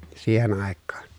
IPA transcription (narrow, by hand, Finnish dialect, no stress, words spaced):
siːhen ɑˑekːɑːn